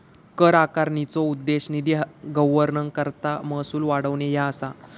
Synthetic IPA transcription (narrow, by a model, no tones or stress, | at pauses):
kəɾakaɾɳit͡sɔud̪ːeɕnid̪iɡəʋəɾnəŋkəɾt̪aməsuːlʋaɽəʋnejaəsa